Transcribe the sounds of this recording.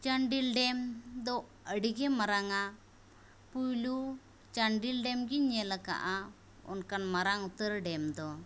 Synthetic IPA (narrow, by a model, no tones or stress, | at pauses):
t͡ʃaɳɖilɖɛmd̪ɔʔ | əɖiɡɛmaɾaŋa | pujlu | t͡ʃaɳɖilɖɛmɡiɲɛlaka̰ʔa | ɔ̰nkanmaɾaŋut̪əɾɖɛmd̪ɔ